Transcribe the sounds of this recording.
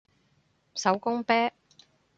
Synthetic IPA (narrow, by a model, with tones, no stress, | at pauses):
sɐ˨˥wkʊ˥ŋpɛː˥